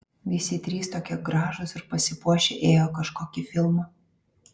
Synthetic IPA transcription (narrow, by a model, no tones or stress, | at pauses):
ʋʲɪsʲɪt̪ʲɾʲiːst̪oːkʲoːɡɾɑːʒosɪɾpɐsʲɪpuɔʃʲeʔeːjoːkɐʃkoːkʲɪfʲɪlˠmɐ